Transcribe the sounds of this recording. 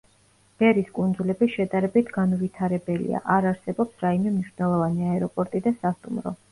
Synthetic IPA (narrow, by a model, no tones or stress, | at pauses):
b̥ɛɾiskʼund̪zulɛbiʃɛd̪ʼaɾɛbit̪ʰɡanvit̪ʰaɾɛbɛlḭa̰ʔaɾaɾsɛbɔpsɾaimɛmniʃnɛlˠɔvaniaɛɾɔpʼɔɾt̪ʼid̪asast̪ʼumɾɔ̰